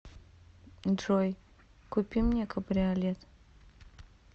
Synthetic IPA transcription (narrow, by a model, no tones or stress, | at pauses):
nd̪ɾoj | kʊpʲimnʲekɐbɾʲɪɐlʲet̪